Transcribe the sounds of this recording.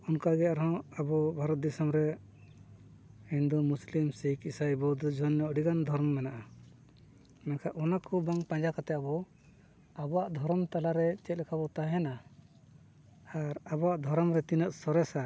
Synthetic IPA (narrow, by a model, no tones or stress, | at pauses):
ɔnkaɡɛaɾɔɦɔ̃abɔbʱaɾɔt̪̚d̪isəmɾɛ | ind̪umuslimsikisajbɔd̪ɔd͡ʒɔnːɔɔɖiɡand̪ʱɔɾmːɛnaʔa | mɛnkʰaʔʔɔnakʰubaŋpãɲd͡ʒakat̪ɛabɔ | abɔaʔd̪ʱɔɾɔmt̪alaɾɛt͡ʃɛt̪̚lɛkʰabɔt̪aɦɛna | aɾabɔaʔd̪ʱɔɾɔmɾɛt̪inəʔsɔɾɛsa